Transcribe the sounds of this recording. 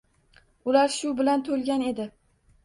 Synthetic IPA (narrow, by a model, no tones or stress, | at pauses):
ʊlaɾʃʊbɪlant̪ʰolˠɡʲane̞d̪ɪ